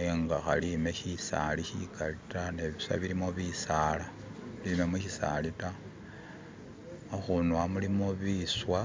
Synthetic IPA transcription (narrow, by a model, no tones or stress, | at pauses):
eŋɡaxa̰lime̞çisa̰liçikʰalitane̞βisa̰βiɾimoβisaːla | lime̞muçisa̰lita | oxunwamulimo̞βiswa